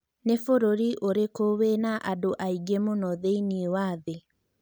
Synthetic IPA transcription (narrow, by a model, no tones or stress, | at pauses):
nefoɾoɾiʔoɾekoβenaʔadoʔaiɡemonɔðeiniewaːðe